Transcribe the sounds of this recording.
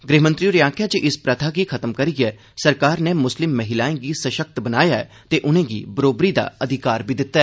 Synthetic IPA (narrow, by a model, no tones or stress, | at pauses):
ɡɾeːmə̃nt̪ɾijuːɾɪjãːkʰjaːt͡ʃəʔɪspɾət̪ʰaːɡiːkʰət̪əmkəɾiːɡɛː | səɾkaːɾneːmʊslɪmːəɦɪlaːẽːɡiːsəʃək̚t̪bənaːjaːɛ | t̪eːʔʊnẽːɡḭːbəɾoːbɾiːd̪a̰ːəd̪ʱɪkaːɾbiːd̪ɪt̪ːaɛː